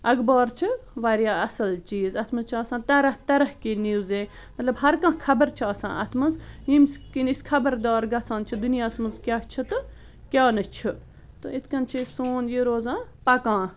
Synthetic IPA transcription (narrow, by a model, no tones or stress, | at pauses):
ɐɡbaːɾt͡ʃʰɨʋaːɾjaːɐsɐlt͡ʃiːzɐt̪ʰmɐzt͡ʃʰaːsãːt̪ɐɾɐɦt̪ɐɾɐhkiniwzeː | mɐt̪lɐbɦɐɾkãːkʰɐbəɾt͡ʃʰɐːsã̰ːɐ̰t̪ʰmɐnzjimskiniskʰɐbəɾd̪aːɾɡɐsãːnt͡ʃʰid̪unijaːsmɐnzkʲaːt͡ʃʰɨt̪ɨ | kʲjaːnɐt͡ʃʰɨ | t̪ɨit̪ʰkɐnt͡ʃʰisoːnjiɾoːzãːpɐkãː